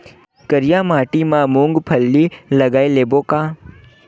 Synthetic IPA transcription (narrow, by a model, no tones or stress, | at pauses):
kəɾɪjãːmaːʈimãːmũŋɡpʰəlːiləɡaːeleːboːkaː